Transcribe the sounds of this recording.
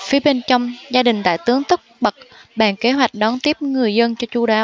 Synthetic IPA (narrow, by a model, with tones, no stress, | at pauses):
fi˨˦ɓe˧ŋ̟t͡ɕɔ˧wŋ͡mzaː˧ɗï˨˩ŋ̟t̪a̰ː˧˨jt̪ɨ˨˦əŋt̪ə˦˥k͡p̚ɓə˨˩k̚ɓa̰ː˧˩nke˨˦ɦwa˨˩jk̟̚ɗɔ˨˦nt̪i˦˥əp̚ŋɨ˨˩əjzə˧nt͡ɕɔ˧t͡ɕu˧ɗaː˨˦